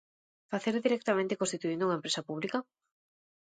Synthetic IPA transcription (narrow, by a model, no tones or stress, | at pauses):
faθeɾðiɾek̚t̪amẽnt̪ekõst̪it̪uind̪uŋaempɾesapuβlikɐ